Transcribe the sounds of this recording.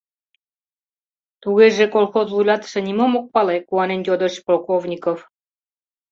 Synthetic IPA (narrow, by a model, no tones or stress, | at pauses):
t̪uɣeʒekolxozvujlʲɑt̪ə̥ʃĕnimomok̚pɑlekuɑnenjod̪əʃpolˠkovnʲikof